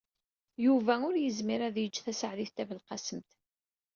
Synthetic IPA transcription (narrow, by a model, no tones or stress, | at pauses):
juvæʊɾjəzmiɾæðjəd͡ʒːθæsəʕðiθt̪ævəlqɑsəmt̪